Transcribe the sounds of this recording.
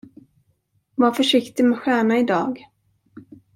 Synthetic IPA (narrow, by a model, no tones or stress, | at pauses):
vafœʂɪkt̪ɪmɛɧæːɳaɪd̪ɑːɡ